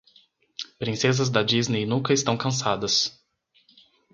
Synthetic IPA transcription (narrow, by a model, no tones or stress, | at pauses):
pɾĩsezɐzd̪ɐd͡ʒiznejnũkɐɪst̪ɐ̃w̃kɐ̃s̬ad̪ɐs